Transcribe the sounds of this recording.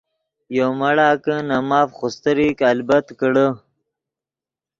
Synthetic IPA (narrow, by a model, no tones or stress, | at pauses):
jomaɽaːkənamaːfχost̪əɾikalbɐt̪kəɽə